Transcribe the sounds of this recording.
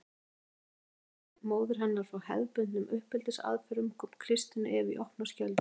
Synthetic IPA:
moːwðɪɾ̥ɦanːaɾ̥fɾawhɛ̰ðpʏnʏmʏhpɪlt̪ɪsa̰ːðfɛɾʏmkʰɔ̥kʰɾɪst̪ɪnʏ̰ʔɛvḭʔɔhpnascœlt̪

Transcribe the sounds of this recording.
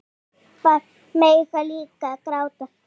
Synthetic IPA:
pa | mejfalikakɾawt̪a

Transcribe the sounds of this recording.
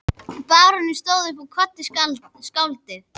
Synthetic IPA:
paːɾɔnɪst̪oːwðʏpakʰvɔt̪ːɪs | skawlt̪ɪ

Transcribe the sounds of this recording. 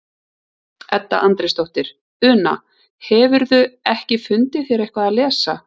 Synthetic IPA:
ɛt̪ːa̰ʔant̪ɾɪst̪owht̪ɪɾ̥ | ʏːna̰ | hɛvʏɾðʏɛhcɪfʏnt̪ɪ̥θjɛːɾehkvaðalɛːsa

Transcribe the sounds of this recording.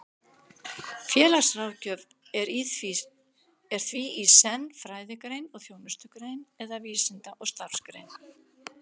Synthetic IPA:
fjɛːlḁsrawcœv | ɛɾiθvi | ɛɾ̥θviisɛnːfɾaːjðɪkɾejnɔɣθjoːwnʏst̪ʏkɾeːjnɛðaviːsɪnt̪aʔɔɣst̪aɾ̥skɾḛjn

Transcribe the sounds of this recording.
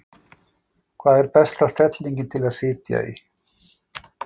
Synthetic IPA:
kʰvaːðɛɾpɛst̪ast̪ɛt̪liɲcɪnt̪ʰɪlaðsɪːt̪ja̰ḭ

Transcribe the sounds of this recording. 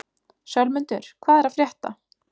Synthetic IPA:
sjœlmʏnt̪ʏɾ̥kʰvaːðɛɾaðfɾjɛht̪a̰

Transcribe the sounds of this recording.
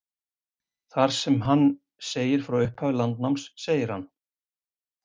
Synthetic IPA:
θaɾ̥sɛmɦanː | seːjɪɾ̥fɾawʏhphavʏlant̪namsːeːjɪɾ̥ha̰nː

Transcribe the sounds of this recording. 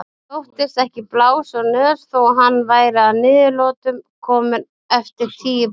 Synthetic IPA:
owht̪ɪst̪ɛhcɪplaːwsɔnɛɾ̥θowɦanːvaːjɾɪaðnɪːðɪlɔːt̪ʏmkʰɔːmɪ | ɛft̪ɪɾ̥t̪ʰiː

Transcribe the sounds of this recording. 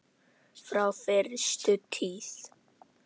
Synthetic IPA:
fɾawfɛɾst̪ʏt̪ʰiθ

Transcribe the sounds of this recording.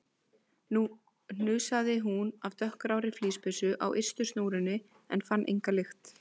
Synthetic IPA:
n̥ʏːsaðɪɦunavt̪œhkɾaːwɾɪfliːspɪsʏʔa̰wʔḛjrst̪ʏst̪noːwɾɪnːɪ | ɛ̰nfanːʔḛjŋkalɪxt̪

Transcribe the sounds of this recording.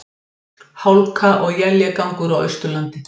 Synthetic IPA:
hawlkʰaʔɔɣjɛljakawŋkʏɾawœ̰ɥst̪ʏlant̪ɪ

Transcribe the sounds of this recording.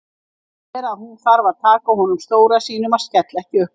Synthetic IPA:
ɛɾaɦunθaɾvaðt̪ʰaːkahɔnʏmst̪oːwɾasiːnʏmað̥scɛt̪lɛhcɪœh

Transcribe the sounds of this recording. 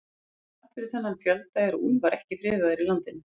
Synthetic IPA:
ḁt̪fɪɾɪɾ̥θɛnːamçœlt̪aɛɾɔʔunvaɾɛhcɪfɾɪːðaðɪɾilant̪ɪn

